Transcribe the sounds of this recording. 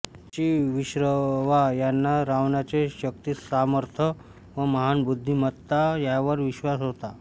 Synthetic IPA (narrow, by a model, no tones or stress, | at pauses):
t͡ɕiʋiɕɾəʋajanːaɾaʋɳat͡seɕək̚t̪iːsaməɾt̪ʰə | ʋəməɦanbud̪ʱːimət̪ːajaʋəɾʋiɕʋasɦot̪a